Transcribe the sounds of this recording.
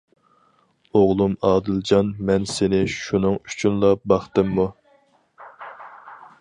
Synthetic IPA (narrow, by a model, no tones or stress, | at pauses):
oʁlˠumɑːd̪ɨld͡ʒɑnmɛnsɪnɪʃunɨŋy̥t͡ʃʰynlˠɑbɑχt̪ɨmːu